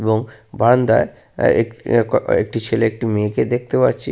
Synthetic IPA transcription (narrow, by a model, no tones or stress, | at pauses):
boŋband̪a̰e | ḛkkḛk̚ʈit͡ɕʰeleek̚ʈimeked̪ek̚ʰt̪epatːɕʰi